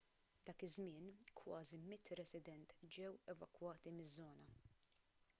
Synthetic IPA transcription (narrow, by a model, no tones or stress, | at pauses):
d̪̥ɐːkɪzmɪːnkʰwɐːzimɪt̪ːɾɛsɪd̪ɛnt̪d͡ʒɛwɛvɐkwɐːt̪imɪzːɔːnɐ